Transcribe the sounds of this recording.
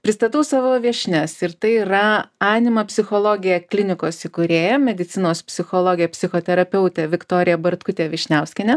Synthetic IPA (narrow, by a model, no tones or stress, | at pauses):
pʲɾʲɪst̪ɐt̪ɐʊsɑːʋoːʋʲiɛʃʲnʲɛsɪɾt̪ɐɪiɾɐɑːnʲɪmɐpʲsʲɪxoːlˠoːɡʲɪjɛklʲɪnʲɪkoːsɪkʊɾʲeːjɛmʲɛd̪ʲɪt̪sʲɪnoːspʲsʲɪxoːlˠoːɡʲɪjɛpʲsʲɪxoːt̪ʲɛɾɐpʲɛʊt̪ʲɛʋʲɪkt̪oːɾʲɪjɛbɐɾt̪kʊt̪ʲeːʋʲɪʃʲnʲɛʊsʲkʲɪnʲɛ